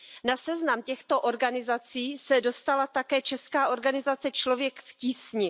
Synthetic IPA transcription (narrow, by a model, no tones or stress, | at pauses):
nasɛznamcɛxt̪o̞ʔo̞ɾɡanɪzat͡siːsɛdo̞st̪alat̪akɛːt͡ʃɛskaːʔo̞ɾɡanɪzat͡sɛt͡ʃlo̞vjɛkfciːsɲɪ